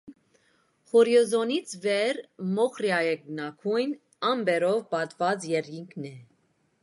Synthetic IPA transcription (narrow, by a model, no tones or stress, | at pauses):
χɔɾjɔzɔnit͡sʰvɛɾmɔχɾjɑjɛɡ̚nɑkʰujn | ɑmbɛɾɔvpɑt̪vɑt͡sjɛɾɡiŋkʰnɛ